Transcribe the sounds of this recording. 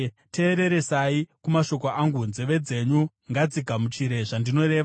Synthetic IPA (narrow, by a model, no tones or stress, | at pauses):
te̞ːɾe̞ɾe̞saikumaʃo̞koʔaŋɡunzeʋe̞d͡ze̞ɲu | ŋɡad͡ziɡʱamut͡ʃiɾe̞ʐandino̞ɾe̞ːʋa